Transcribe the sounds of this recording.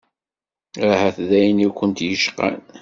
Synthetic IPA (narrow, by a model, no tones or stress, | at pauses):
ɾahæθðæjnikʷənt̪jəʃqa̰n